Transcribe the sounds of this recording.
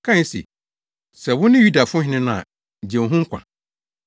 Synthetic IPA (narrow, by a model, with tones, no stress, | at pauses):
kʰã˦˨n˦sḭ˨ | sɛ˨wʊ̃˦nɪ̃˦ju˦da˨fʊʊ̃˦ɦɪ̃˦nɪ̃˦nʊ̃˦a̰˨ | d͡ʑɛ̃˨ɦʊ̃˦ŋ̩˦kʰʷã̰˨